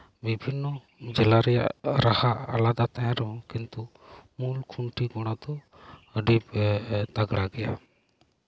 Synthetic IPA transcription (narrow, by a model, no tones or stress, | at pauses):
bibʱinːɔ | d͡ʒɛlaɾɛja̰ʔɾahaʔalad̪at̪ajãɾɔɦɔ̃kint̪u | mulkʰuɳʈiɡɔɽ̃ad̪ɔ | əɖibt̪aɡɽaɡɛja̰